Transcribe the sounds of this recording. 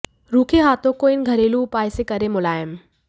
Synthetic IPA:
ɾuːkʰeɦaːt̪ʰõkoːɪnɡʱɐɾeːlupaːɪsekɐɾemʊlaːɪm

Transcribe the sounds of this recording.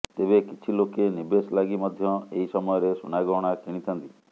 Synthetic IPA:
t̪ebekit͡ʃʰilokenibeslaɡimɔd̪ʱjɔeɦisɔmɔjɔɾesunaɡɔɽ̃akiɽ̃it̪ʰɔnt̪i

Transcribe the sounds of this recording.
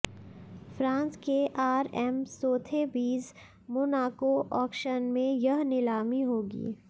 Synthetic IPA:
fɾãːnskeʔaːɾɛmsoːt̪ʰebiːs | mʊnaːkoʔɔːkʃənmẽjɐɦnɪlaːmiɦoːɡḭː

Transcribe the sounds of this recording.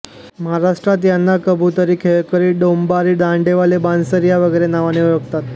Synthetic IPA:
məɦaɾaʂʈɾat̪̬janːakəbʱut̪əɾiːkʰeɭkəɾiːɖombaɾiːɖãɳɖeʋalebãnsəɾjaʋəɡəjɾenaʋaneujoɡt̪at̪

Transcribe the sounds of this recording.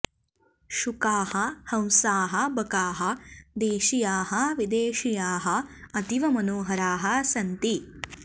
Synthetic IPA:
ʃukaːhɐhɐ̃w̃saːɦɐ̆bɐkaːɦɐd̪eːʃijaːɦɐʋid̪eːʃijaːɦɐɐt̪iʋɐmɐnoːɦɐɾaːɦɐsɐnt̪i

